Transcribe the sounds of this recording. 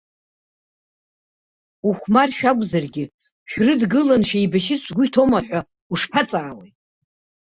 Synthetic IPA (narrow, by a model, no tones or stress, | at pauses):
uχʷmarʃᶣaɡʷʼzarɡʲɪ | ʃᶣrɨdɡɨlanʃᶣajbaʃɪsɡʷʊjtʰomaħʷᶣa | uʂpʰat͡sʼaːwej